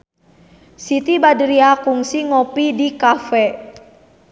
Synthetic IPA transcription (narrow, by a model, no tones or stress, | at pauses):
sit̪ibadəɾiakuŋsiŋɔpidikafɛ